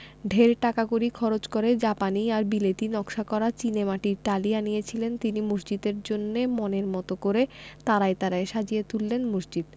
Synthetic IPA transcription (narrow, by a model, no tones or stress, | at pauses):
ɖʱeɾʈakakoɾikʰɔɾot͡ɕkoɾed͡ʑapaniaɾbilet̪inɔkʃakɔɾat͡ɕinemaʈiɾʈalianijet͡ɕʰilent̪inimusd͡ʑid̪eɾd͡ʑonːemoneɾmɔt̪okoɾet̪aɾaet̪aɾaeʃad͡ʑiet̪ulːenmusd͡ʑid̪